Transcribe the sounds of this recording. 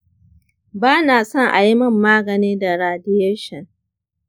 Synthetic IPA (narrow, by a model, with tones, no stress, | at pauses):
baː˦naː˨sɔ˦˨ŋʔa˨ji˦mɐ˦˨mːaː˦ɡɐ˨niː˦da˨ɾaː˨dɪ˦je˦ʃɐ˨ŋ